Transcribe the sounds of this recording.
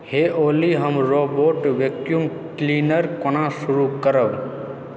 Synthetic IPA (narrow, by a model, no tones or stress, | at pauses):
heʔoliɦəmɾoboʈʋekjum | klinəɾkonasuɾukəɾəb